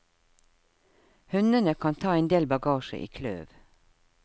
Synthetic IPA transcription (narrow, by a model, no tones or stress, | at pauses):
hʉnənəkʰɑːnt̪ʰɑːeːnd̪eːlbɑɡɑːʃə̰ʔḭːkʰlø̰ːʋ